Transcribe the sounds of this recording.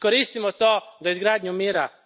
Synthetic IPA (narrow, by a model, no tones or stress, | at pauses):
koɾiːst̪imɔt̪oːzaizɡɾaːd̪ɲumiːɾa